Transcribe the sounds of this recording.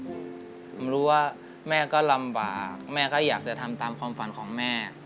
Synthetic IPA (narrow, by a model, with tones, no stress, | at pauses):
ɾuː˦˥waː˥˩ | mɛː˥˩kɔː˥˩la˧mba̰ː˨˩k̚mɛː˥˩kɔː˥˩jaː˨˩k̚t͡ɕa˨˩t̪ʰa˧mt̪aː˧mkʰwaː˧mfa˩˦nkʰɔː˩˦ŋmɛː˥˩